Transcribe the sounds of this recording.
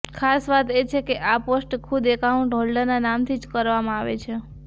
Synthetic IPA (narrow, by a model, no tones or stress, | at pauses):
kʰasʋat̪et͡ʃʰekeʔaposʈkʰud̪ekaũɳʈɦɔlɖənanamt̪ʰid͡ʒkəɾʋamãaʋet͡ʃʰe